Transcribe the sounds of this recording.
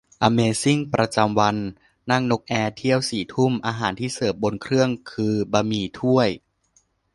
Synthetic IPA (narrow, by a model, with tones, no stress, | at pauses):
ʔaː˧meː˧si˥˩ŋpɾa˧t͡ɕa˧mwa˧nː | a˥˩ŋno˦˥k̚ʔɛː˧t̪ʰi˥˩əwsiː˨˩t̪ʰu˥˩mʔaː˧ɦaː˩˦nt̪ʰiː˥˩sɤː˨˩p̚bo˧nkʰɾɯ˥˩əŋkʰɯː˧baː˧miː˧t̪ʰu˥˩əj